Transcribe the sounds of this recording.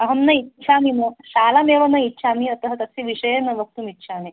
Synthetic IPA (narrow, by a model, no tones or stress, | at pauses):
ɐɦɐmnɐitːt͡ʃʰamimoɕaːlameʋɐnɐitːɕʰamiɐt̪ɐɦɐt̪ɐsiʋiɕɐjenɐʋək̚t̪umitːɕʰami